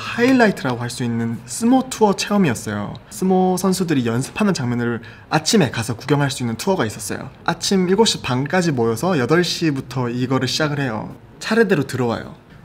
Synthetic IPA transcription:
haiɭːaitʰɯɾaɡoɦhaɭs͈uinːɯns͈ʰɯmotʰuʌt͡ɕʰe̞ʌmiʌs͈ʌjo̰sʰɯmosʰʌnsʰudɯɾijʌnsʰɯ̥pʰanɯnt͡ɕaŋmjʌnɯɾ | at͡ɕʰime̞kasʰʌkuɡjʌŋɦaɭs͈uinːɯntʰuʌɡais͈ʌs͈ʌ̰jo̰ | at͡ɕʰimiɭɡoɕ͈ipaŋk͈ad͡ʑimojʌsʰʌjʌdʌɭɕ͈ibutʰʌiɡʌɾɯɭɕʰid͡ʑaɡɯɭhe̞jo̰ | t͡ɕʰaɾede̞ɾotɯɾʌwa̰jo̰

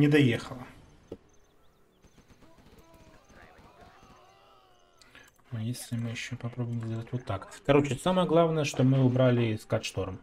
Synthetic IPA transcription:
nʲɪd̪ɐjexəlˠə | ɐjesʲlʲɪmɨjɪɕːopɐpɾobʊjɪmzdʲelˠətʲvot̪ːakkɐɾo̞t͡ɕɪsaməjəɡlˠavnəjəʂt̪omɨʊbɾalʲɪskat̪ʂt̪o̞ɾm

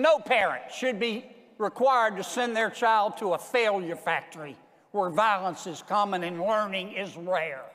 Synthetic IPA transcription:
noʊpʰɛɹɨ̰̃ntʃɨd̚bi | ɹɪkʰw̥aɪə˞d̚tɨsɛ̃nðə˞t͡ʃʰaɪlˠd̚tʰəəfeɪlˠjə˞fæk̚tə˞i | wə˞vaɪlˠə̃nsɨz̥kʰɑmə̃nɨ̃nlɜ̃˞nɪ̃ŋɪzɹɛɹ

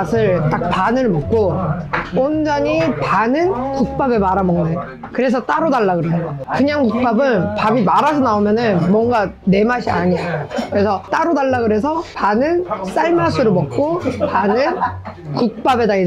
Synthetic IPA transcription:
sʰɯɭt͈ak̚panɯɭmʌk̚k͈o | ond͡ʑʌɲipanɯnkuk̚p͈abe̞maɾamʌŋnaɲ | kɯɾe̞sʰʌt͈aɾodaɭːaɡɯɾekɯɲaŋkuk̚p͈abɯnpabimaɾasʰʌnaomjʌnɯnmwʌŋɡane̞maɕʰia̰ɲijakɯɾe̞sʰʌt͈aɾodaɭːaɡɯɾe̞sʰʌpanɯns͈aɭmasʰuɾomʌk̚k͈opanɯn | kuk̚p͈abe̞dai

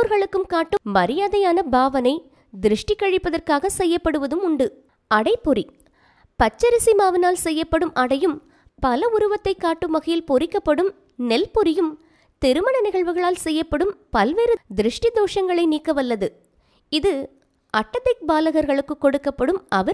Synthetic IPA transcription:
oɾɣɐɭɯkːɯmkaːʈːɯmɐɾɪjaːðɐjaːnɐbaːʋɐnɐɪ | d̪ɪɾɪʂʈɪkːɐɻɪpːɐðɐrkaːɣɐsɛjːɐpːɐɽɯʋɐðɯmʊɳɖɯ | ɐɽɐɪpːɔɾi | pɐt͡ʃːɐɾɪsimaːʋɪnaːlsɛjːɐpːɐɽɯmʔɐɽɐjɯm | pɐlɐʊɾɯʋɐt̪ːɐɪkːaːʈːɯmːɐɣɐjɪlpɔɾɪkːɐpːɐɽɯm | nɛlpɔɾɪjɯm | t̪ɛɾɯmɐɳɐnɪɣɐɭʋɯɣɐɭaːlsɛjːɐpːɐɽɯmpɐlʋeːɾɯd̪ɪɾɪʂʈɪd̪oːʂɐŋɡɐɭɐɪniːkːɐʋɐlːɐðɯ | ɪðɯ | ɐʈːɐt̪ːɐɪk̚baːlɐɣɐɾɣɐɭɯkːɯkːɔɽɯkːɐpːɐɽɯmɐʋɐɾ

